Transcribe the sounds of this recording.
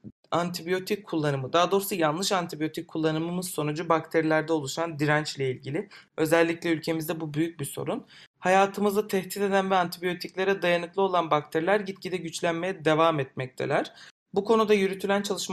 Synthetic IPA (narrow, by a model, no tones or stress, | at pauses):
ant̪ʰibijo̞t̪ʰickʰːulˠːanɯmɯd̪aːd̪o̞ɾusajanlˠɯʃant̪ʰibijo̞t̪ʰicʰːulˠːanɯmɯmɯzso̞nud͡ʒubakt̪ʰeɾilʲæɾd̪ɛolˠuʃand̪iɾænt͡ʃlʲɛilʲɟilʲɪø̞zælʲːiclʲɛylʲcʰe̞mizd̪ɛbubyjyc̚biso̞̰ɾunhajaːt̪ʰɯmɯzat̪ʰɛhd̪it̪e̞d̪ænvɛant̪ʰibijo̞t̪ʰiclʲe̞ɾɛd̪ajanɯklˠɯo̞lˠanbak̚t̪ʰeɾilʲæɾɟit̪cid̪ɛɟyt͡ʃlʲænme̞jɛd̪e̞vaːmɛt̪̚mɛc̚t̪ʰḛlʲæɾ̥ | bukʰo̞nud̪ajyɾyt̪ʰylʲænt͡ʃʰalˠɯʃm